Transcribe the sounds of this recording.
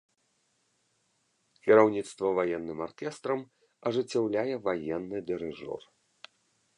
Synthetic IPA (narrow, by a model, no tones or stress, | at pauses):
kʲiɾawnʲit̪st̪vɐvajɛnːɨmarkʲɛst̪ɾɐm | ɐʐɨt͡sʲːawlʲajɛvajɛnːɨd̪ɨɾɨʐɔ̰r